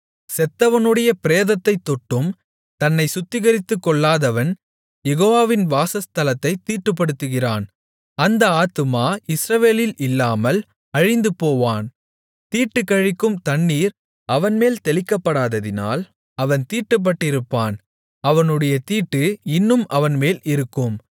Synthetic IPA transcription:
sɛt̪ːɐʋɐnɯɽɐjɐpɪɾeːðɐt̪ːɐɪt̪ːɔʈːɯm | t̪ɐnːɐɪsʊt̪ːɪɣɐɾɪt̪ːɯkːɔɭːaːðɐʋɐn | jɛɣoːʋaːʋɪnʋaːsɐst̪ɐlɐt̪ːɐɪt̪iːʈːɯp̬ːɐɽɯt̪ːɯɣɪraːn | ɐnd̪ɐaːt̪ɯmaːɪsɾɐʋeːlɪlɪlːaːmɐl | ɐɻɪnd̪ɯpoːʋaːn | t̪iːʈːɯkːɐɻɪkːɯmt̪ɐɳːiːɾ | ɐʋɐnmeːlt̪ɛlɪkːɐpːɐɽaːðɐðɪna̰ːl | ɐʋɐnt̪iːʈːɯp̬ːɐʈːɪɾɯpːaːn | ɐʋɐnɯɽɐjɐt̪iːʈːɯɪnːɯmʔɐʋɐnmeːlɪɾɯkːɯm

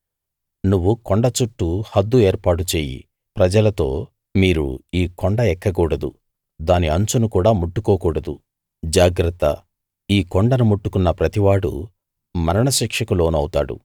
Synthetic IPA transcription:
nuʋːukoɳɖɐt͡ʃuʈːuhɐd̪ːue̞ːɾpaːʈ̬ut͡ʃeːjḭ | pɾɐd͡ʒɐlɐt̪o̞̰ː | miːɾṵiːkoɳɖɐɛkːɐkuːɽɐd̪ṵ | d̪aːniɐɲt͡ʃunukuːɽaːmuʈːukoːkuːɽɐd̪u | d͡ʒaːɡɾɐt̪ːɐ̰ | iːkoɳɖɐnumuʈːukunːɐpɾɐt̪iʋaːɽṵ | mɐɾɐɳɐʃiːkʂɐkulo̞ːnuɐwt̪a̰ːɽṵ

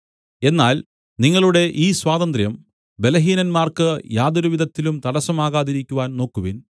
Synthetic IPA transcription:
e̞nːaːl | niŋːɐɭuɽe̞ʔiːswaːðɐnd̪rjɐm | be̞lɐɦiːnɐnmaːrkɨjaːd̪ɐɾuʋid̪ðɐt̪ːilumt̪ɐɽɐsɐmaːɣaːðiɾikʲːuʋaːnno̞ːkːuʋin

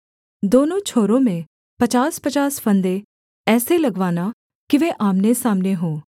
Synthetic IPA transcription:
d̪oːnõːt͡ʃʰoːɾõːmẽ | pət͡ʃaːspət͡ʃaːspʰənd̪e | ɛːseləɡʋaːna | kɪʋeːʔaːmnesaːmneɦõː

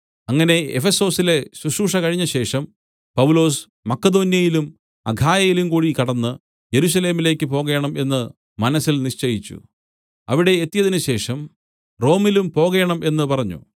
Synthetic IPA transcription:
ɐŋːɐne̞ḛfeso̞ːsile̞suʂuːʂɐkɐɻiɲːɐɕe̞ːʂɐm | pɐwlo̞ːs | mɐkːɐd̪o̞ːnjɐjilum | ɐ̰ɡʱaːjɐjilumkuːɻikɐɽɐnːɨ | je̞ɾus̬ɐle̞ːmile̞ːkʲːɨpo̞ːɣɐjɐɳɐme̞nːɨ | mɐnɐsilniʂt͡ɕejit͡ɕːṵ | ɐʋiɽe̞ːt̪ːijɐðinɨɕe̞ːʂɐm | ro̞ːmilumpo̞ːɣeːɐɳɐme̞nːɨpɐrɐɲːṵ

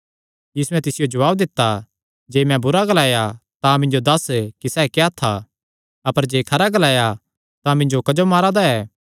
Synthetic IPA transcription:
jiːsuɛ̃t̪ɪsɪjod͡ʒɐʋaːbd̪ɪt̪ːa | d͡ʒeːmɛ̃bʊɾaɡɐlaːjat̪ãmɪ̃nd͡ʒod̪ɐskisɛːkɛat̪ʰːa | ɐpəɾd͡ʒeːkʰɐɾaɡɐlaːja | t̪ãmɪ̃ɲd͡ʒokɐd͡ʒomaːɾad̪aɛː

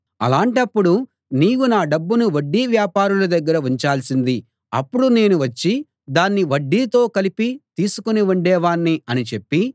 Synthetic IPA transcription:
ɐ̰laːɳʈɐpːuɽu | niːkunaːɖɐbːunuʋɐɖːiːʋjaːpaːɾulud̪ɐɡːɐɾɐuɲt͡ʃaːlsind̪i | ɐ̰pːuɽune̞ːnuʋɐt͡ʃːi | d̪aːnːiʋɐɖːiːt̪o̞ːkɐlipit̪iːsukuniuɳɖɛːʋaːɳːiɐnit͡ʃe̞pːi

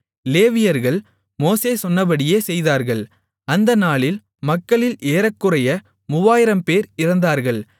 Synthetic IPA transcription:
leːʋɪjɐɾɣɐɭ | moːseːsɔnːɐbɐɽɪjeːsɛjðaːɾɣɐɭ | ɐnd̪ɐnaːɭɪl | mɐkːɐɭɪlʔeːɾɐkːɯrɐjɐ | mʊʋaːjɪɾɐmpeːɾɪɾɐnd̪aːɾɣɐɭ

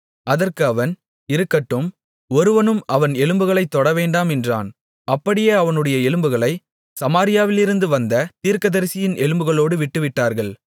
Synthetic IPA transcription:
ʔɐðɐrkɯɐʋɐn | ɪɾɯkːɐʈːɯm | ɔɾɯʋɐnɯmɐʋɐnɛlɯmbɯɣɐɭɐɪt̪ːɔɽɐʋeːɳɖaːmɛndra̰ːn | ɐpːɐɽɪjeːɐʋɐnɯɽɐjɐɛlɯmbɯɣɐɭɐɪ | sɐmaːɾɪjaːʋɪlɪɾɯnd̪ɯʋɐnd̪ɐt̪iːɾkɐðɐɾsɪjɪnʔɛɭɯmbɯɣɐɭoːɽɯʋɪʈːɯʋɪʈːaːɾɣɐɭ

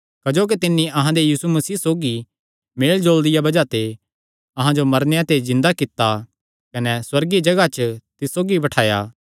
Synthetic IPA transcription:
kɐd͡ʒoːk̬it̪ɪnːĩʔɐɦãd̪ejiːsumɐsiːsoːɡi | meːld͡ʒoːld̪ɪjabɐd͡ʒat̪e | ɐɦãd͡ʒomɐɾnejat̪ezɪ̃nd̪akɪt̪ːa | kɐnɛswɐɾɡid͡ʒɐɡat͡ʃət̪ɪsːoːɡibɐʈʰaːja̰ː

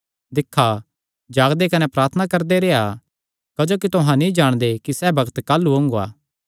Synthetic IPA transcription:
d̪ɪkʰːa | d͡ʒaːɡd̪ekɐnɛpɾaːɾt̪ʰənakɐɾd̪eɾeːa | kɐd͡ʒoːk̬it̪ʊɦãnĩd͡ʒaːɽ̃d̪ekisɛbɐɡt̪kaːlːuõŋɡoa̰ː

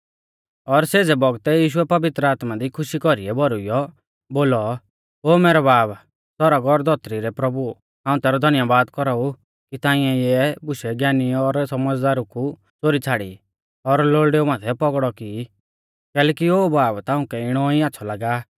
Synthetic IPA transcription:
ɔɾseːd͡zɛbɔɡt̪ɛjiːʃ̬uɛpɐʋɪt̪ɾəaːt̪mad̪ikʰʊʃikɔɾiɛbɔɾʊijɔ | boːlɔ | oːmɛːɾɔbaːb | sɔɾaɡɔɾd̪ʱɔt̪ɾiɾɛpɾɔbu | ɦãːũt̪ɛːɾɔd̪ʱɐnjabaːd̪kɔɾau | kit̪ãːɪ̃ɛ̃jɛbʊʃɛɡjaːniɔɾsɔməd͡zd̪aːɾuku | t͡soːɾit͡sʰaːɽḭ | ɔɾloːɭɖeːumãːt̪ʰɛpɔɡɽɔki | kɛːlɛːkioːbaːbt̪aːʊ̃kɛɪɽ̃ɔiatːsʰɔlaːɡaː

